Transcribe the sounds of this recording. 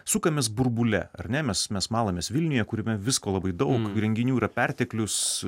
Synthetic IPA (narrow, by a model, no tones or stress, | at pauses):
sʊkɐmʲeːsbʊɾbʊlʲɛ̰ɐ̰rʲnʲɛmʲɛsmʲɛsmɑːlˠɐmʲeːsʋʲɪlʲnʲʊjɛkʊɾʲɪmʲɛʋʲɪskoːlˠɐbɐɪd̪ɐʊkɾʲɛŋʲɡʲɪnʲuːiɾɐpʲɛɾʲt̪ʲeklʲʊs